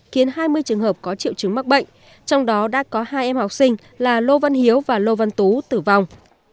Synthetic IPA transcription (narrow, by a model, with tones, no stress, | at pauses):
xi˨˦ənɦaː˧jmɨ˧əjt͡ɕɨ˨˩əŋɦəː˨˩p̚kɔ˨˦t͡ɕḭ˧˨wt͡ɕɨ˨˦ŋma˦˥k̚ɓə̰˧˨jŋ̟ | t͡ɕɔ˧wŋ͡mɗɔ˨˦ɗa̰ː˧˥kɔ˨˦haː˧jʔɛ˧mhɔ˨˩wk͡p̚sï˧ŋ̟ | laː˨˩lo˧va˧nhi˨˦əwvaː˨˩lo˧va˧nt̪u˨˦t̪ɨ˨˩va˨˩wŋ͡m